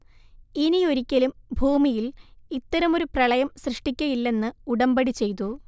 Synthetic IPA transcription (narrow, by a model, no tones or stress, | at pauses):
inio̞ɾikʲːɐlumbʱuːmijilit̪ːɐɾɐmo̞ɾuprɐɭɐjɐmsrɨʂʈikʲːɐjilːe̞nːɨuɽɐmbɐɽit͡ɕe̞jt̪̬u